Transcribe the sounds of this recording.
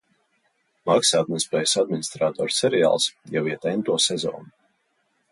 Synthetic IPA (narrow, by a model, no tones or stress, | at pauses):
maksaːd̪̚mʲnʲspɛːjsad̪̚minʲist̪ɾaːt̪ɔ̰ːɾsɛɾɛja̰ːlˠsjawiɛt̪ɛjnt̪uɔsɛzɔ̰ːnu